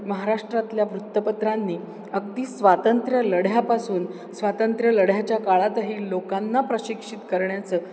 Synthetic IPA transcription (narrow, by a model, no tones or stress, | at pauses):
məɦaɾaʂʈɾat̪ljaʋɾut̪ːəpət̪ɾanːiː | əɡ̚t̪iːsʋat̪ənt̪ɾjələɽjapasuːn | sʋat̪ənt̪ɾjələɽ̤jat͡ɕjakaɭat̪aɦiːlokanːapɾəɕikʂit̪kəɾɳjat͡səː